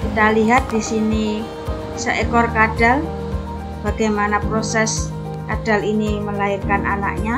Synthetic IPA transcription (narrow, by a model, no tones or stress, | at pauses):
kit̪aliɦat̪̚disini | səʔekɔrkad̥al | b̥aɡajmanapɾosɛs | kad̥aliniməlairkanana̰ʔɲa